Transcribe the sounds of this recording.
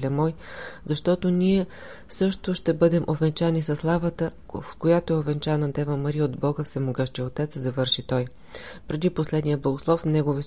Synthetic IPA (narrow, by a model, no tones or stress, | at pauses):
lʲɛmɔjzɐʃt̪ɔt̪oniɛ | sɤʃt̪oʃt̪ɛbɤd̪ɛmʔovɛnt͡ʃanisɐslˠavət̪ə | kojat̪oɛovɛnt͡ʃanɐd̪ɛvəmɐɾiod̪bɔɡəfsɛmoɡɤʃt̪iot̪ɛt̪szɐvɤɾʃit̪ɔj | pɾɛd̪iposlɛd̪nijəblˠɐɡoslˠɔfnɛɡovi